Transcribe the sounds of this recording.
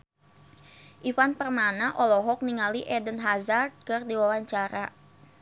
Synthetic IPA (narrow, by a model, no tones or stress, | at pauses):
ʔifanpərmanaʔɔlɔɦɔk̚niŋaliʔɛdənɦazard̪̚kərdiwawaɲt͡ʃaɾa